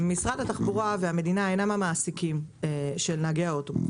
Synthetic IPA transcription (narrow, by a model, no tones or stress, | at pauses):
misʁad̪hat̪aχbuʁaveame̞d̪inaejnamamaːsikimeʃelnaɡeaot̪o